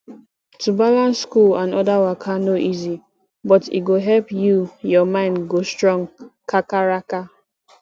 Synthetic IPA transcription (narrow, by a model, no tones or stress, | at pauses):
tubalãnsːkulãnɔdawakʰanoʔizi | bɔtḭɡoɦɛlpjujɔmãɪ̃ndɡostɹɔ̃ŋkʰakaɾaka